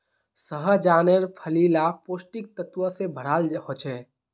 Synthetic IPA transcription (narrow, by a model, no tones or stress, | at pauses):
səɦəd͡ʒaːneɾpʰəlilapoːsʈik̚t̪ət̪ʋəsebʱəɾalɦot͡ʃʰɛ